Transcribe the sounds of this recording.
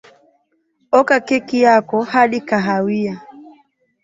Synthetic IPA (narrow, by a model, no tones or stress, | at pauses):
ɔkakɛkijakɔhaɗikaɦawia